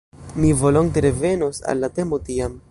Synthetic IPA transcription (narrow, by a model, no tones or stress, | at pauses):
mivo̞lo̞nteɾe̞ve̞nosa̰lːate̞mpotiam